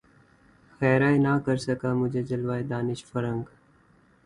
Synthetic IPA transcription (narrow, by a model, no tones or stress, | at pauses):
xɛːɾaːenakɐɾsɐkaːmʊd͡ʒʱed͡ʒɐlʋaːed̪aːnɪʃfɐɾə̃ŋɡ